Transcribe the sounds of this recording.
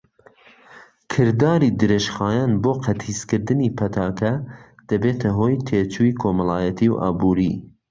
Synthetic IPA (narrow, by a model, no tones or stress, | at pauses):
kʰɨɾd̪ɑːɾiːd̪ɨɾeʃχɑːjɑːnboːqʰɐt̪hiːskɨɾd̪ɨniːpʰɐt̪ʰɑːkʰɐd̪̥ɐbeːt̪ʰɐɦoːjt̪ʰeːt͡ʃʰuːikʰoːmɐlˠɑːjɐt̪ʰiwʔɑ̰ːbuːɾḭː